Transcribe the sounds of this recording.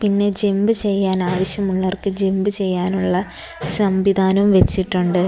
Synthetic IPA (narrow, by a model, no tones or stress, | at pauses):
pinːe̞d͡ʑe̞mbɨt͡ɕe̞jːaːnaːʋɐɕjɐmuɭːɐɐrkɨd͡ʑe̞mbɨt͡ɕe̞jːaːnuɭːɐ | sɐmʋid̪ʱaːnumʋe̞t͡ɕːiʈːuɳɖɨ